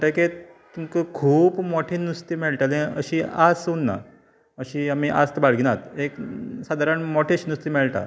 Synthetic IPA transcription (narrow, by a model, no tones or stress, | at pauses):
ɳʈake | t̪uŋkəkʰuːpmoʈʰiːnust̪imeɭʈ̪alẽə̰ɕiasunːa̰ | əɕiːamiʔa̰st̪əbaɭɡinat̪eksad̪ʱaɾaɳmoʈʰeɕnust̪iːmeɭʈ̪a̰